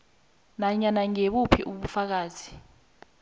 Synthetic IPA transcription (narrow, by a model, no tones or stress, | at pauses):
naɲanaŋeɓupʰiʔuɓufak̬aːzi